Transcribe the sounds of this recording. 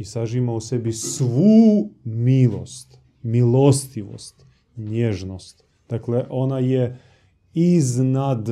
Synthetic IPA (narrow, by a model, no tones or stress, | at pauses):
isaʒimausebisʋuːmilˠo̰st̪ | milo̞st̪iʋo̰st̪ | ɲeʒnost̪ | d̪̥akleʔo̞naje | iznad̪